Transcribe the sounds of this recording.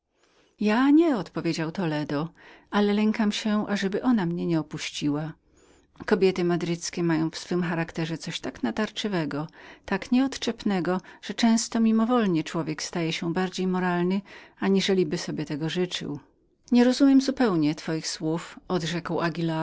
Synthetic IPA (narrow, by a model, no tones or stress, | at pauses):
jaɲɛɔt̪pɔvʲjed͡ʑawt̪ɔlɛd̪ɔalɛlɛŋkamɕɛʔaʐɛbɘʔɔnamɲɛɲɛɔpuɕt͡ɕiwa | kɔbʲjɛt̪ɘmad̪ɾɘt̪skʲɛmajɔ̃w̃fsfɘmxaɾakt̪ɛʐɛt̪sɔɕt̪aknat̪aɾt͡ʂɨvɛɡɔt̪akɲɛɔt̪t͡ʂɛpnɛɡɔʐ̥ɛt͡ʂɛ̃w̃st̪ɔmʲimɔvɔlɲɛt͡ʂwɔvʲjɛkst̪ajɛɕɛbaɾd͡ʑejmɔɾalnɘaɲiʐɛlʲibɘsɔbʲjɛt̪ɛɡɔʐɘt͡ʂɘ̰w | ɲɛɾɔzumʲjɛmzupɛwɲɛt̪fɔjixswufɔd̪ʐɛkwaɡʲila